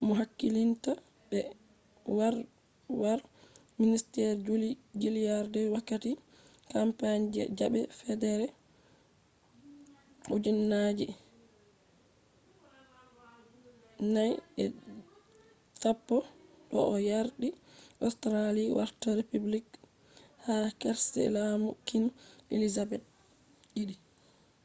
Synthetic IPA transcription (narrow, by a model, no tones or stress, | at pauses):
muɦakːilinta | bɛ | waɾ | waɾ | ministɛɾd͡ʒulid͡ʒilijaɾdɛwakːati | kampaɲd͡ʒɛ̰d͡ʒabɛfɛdɛɾɛ | ʔud͡ʒinːad͡ʒɛ | najɛ | tapːɔɗɔ̰ʔɔjaɾɗiʔɔstɾaliwʔa̰ɾtaɾepublik | hakɛɾsɛ̰lamukːinʔḛlizabɛt̚ | ɗiɗi